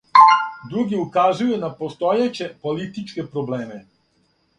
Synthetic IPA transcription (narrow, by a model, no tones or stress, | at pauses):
d̪ɾuɡiukazujunapo̞st̪ojet͡ɕe̞po̞lit̪it͡ʃke̞pɾobleːme